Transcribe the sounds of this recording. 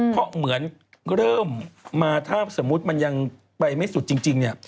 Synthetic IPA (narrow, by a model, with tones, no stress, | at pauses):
pʰɔ˦˥mɯ˩˦ən | ɾɤː˥˩mːaː˧t̪ʰaː˥˩so˩˦mːu˦˥t̪̚ma˧nja˧ŋ | pa˧jma˥˩jsu˨˩t̪̚t͡ɕi˧ŋt͡ɕi˧ŋni˥˩ɐ